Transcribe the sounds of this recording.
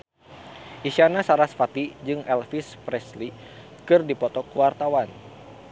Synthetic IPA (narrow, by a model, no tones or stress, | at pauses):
ʔisanasaɾasfat̪id͡ʒɨŋɛlfispɾɛsli | kɨrdipɔt̪ɔkuwart̪awan